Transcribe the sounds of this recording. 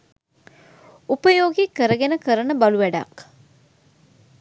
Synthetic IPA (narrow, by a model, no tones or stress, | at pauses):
upəjoːɡikəɾəɡenəkəɾənəbaluʋæɖa̰k